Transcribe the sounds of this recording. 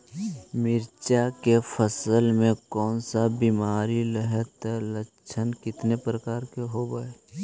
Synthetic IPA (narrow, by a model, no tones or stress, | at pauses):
mɪɾt͡ʃakefʰəsəlmẽkɔːnsabiːmaːɾiləɦɛt̪ɛlə | t͡ʃʰənkɪt̪nepɾəkaːɾkeɦobaːe